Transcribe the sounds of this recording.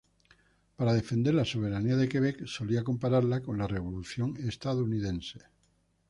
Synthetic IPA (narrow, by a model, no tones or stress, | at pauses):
paɾað̞e̞fe̞nd̪elaso̞β̞eɾaniaðekeβ̞ekso̞liako̞mpaɾaɾlako̞nlareβ̞o̞luθjo̞ŋest̪aðounið̞ense̥